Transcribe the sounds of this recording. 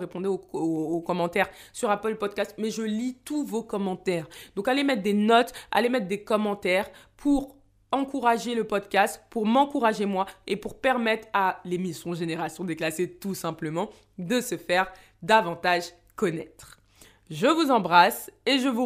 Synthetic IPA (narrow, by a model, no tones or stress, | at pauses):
ʁepɔ̃d̪eoːkɔmɑ̃t̪ɛʁsyʁapœlpɔd̪̚kʲast̪̚mɛʒəlit̪uvokɔmɑ̃t̪ɛʁd̪ɔ̃kalemɛt̪χd̪enɔt̪a̰lemɛt̪χd̪ekɔmɑ̃t̪ɛʁpʰuʁ | ɑ̃kuʁaʒeləpɔd̪kʲast̪puʁmɑ̃kuʁaʒemwaepuʁpɛʁmɛt̪χalemisjɔ̃ʒeneʁasjɔ̃d̪eklaset̪usɛ̃pləmɑ̃ | d̪əsəfɛʁ | d̪avɑ̃t̪aʒ | kɔnɛt̪χ | ʒəvuzɑ̃bʁaseʒəvu